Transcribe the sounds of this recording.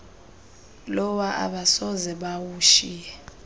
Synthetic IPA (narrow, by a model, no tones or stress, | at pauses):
lɔwaʔa̰ɓasɔzɛɓawuːʃi